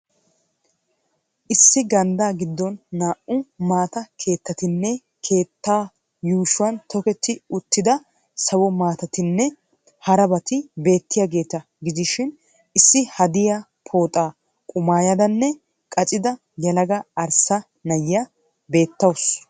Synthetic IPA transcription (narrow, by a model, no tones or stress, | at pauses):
ʔɪsːɪɡɐnd̪aːɡɪd̪ːɔnːaːʔʊmaːt̪ɐkʰe̞ːt̪ːɐt̪ɪnːɛ | kʰe̞ːt̪ːaː | juːʃʊwɐnt̪ʰɔkɛt̪ːɪʊt̪ːɪd̪ɐ | sɐwɔmaːt̪ɐt̪ɪnːɛ | hɐɾɐbɐt̪ɪbe̞ːt̪ːɪjaːɡe̞ːt̪ɐ | ɡɪzɪʃɪn | ʔɪsːɪhɐd̪ɪja | pʰo̞ːt̪ʼaː | kʼʊmaːjɐd̪ɐnːɛ | kʼɐt͡ʃʼɪd̪ɐ | jɐlɐɡɐɐɾsɐ | nɐjːa | be̞ːt̪ːɐws